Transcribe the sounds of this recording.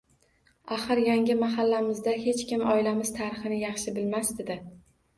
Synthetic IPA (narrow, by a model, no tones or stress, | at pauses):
aχɨɾjaŋʲɪmaɦalːamɪzd̪ahe̞t͡ʃkʲɪmɒɪlamɪz̥t̪ʰaɾɪχɨnɪjɑχʃɪbɪlmasd̪ed̪ɪ